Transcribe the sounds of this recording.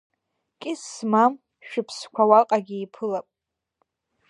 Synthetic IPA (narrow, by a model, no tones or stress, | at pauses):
kʲʼɪsmam | ʃᶣɪpʰskʷʰawaqʼaɡʲiipʰɨlapʼ